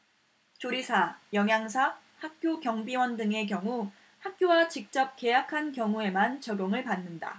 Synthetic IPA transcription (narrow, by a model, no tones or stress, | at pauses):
t͡ɕoɾisʰajʌŋɦjaŋs̬ʰa | hak̚k͈jokjʌŋbiwʌndɯŋe̞k̬jʌŋu | hak̚k͈jowat͡ɕik̚t͡ɕ͈ʌp̚k͈e̞jakʰankjʌŋue̞mant͡ɕʌɡjoŋɯɭpanːɯnda̰